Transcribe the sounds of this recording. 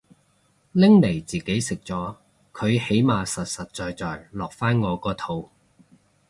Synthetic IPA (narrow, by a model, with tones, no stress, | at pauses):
lɪ˥ŋle˨˩jt͡siː˨˩ke˨˥jsɪ˨k̚t͡sɔː˨˥ | kʰɵ˨˧ɥhe˨˥jmaː˨˧sɐ˨t̚sɐ˨t̚t͡ʃɔː˨˧jt͡sɔː˨jlɔː˨˩k̚faː˥nŋɔː˨˧kɔː˧t̪ʰo˨˧˥w